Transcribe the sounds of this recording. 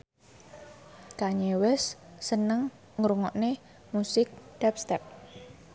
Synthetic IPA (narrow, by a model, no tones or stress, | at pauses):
kaɲewɛsːənəŋ | ŋɾuŋɔʔne | musɪk̚d̪̥ɛp̚st̪ɛp̚